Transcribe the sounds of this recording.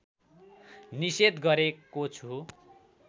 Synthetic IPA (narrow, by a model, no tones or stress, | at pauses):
nised̪ɡʌɾekot͡sʰu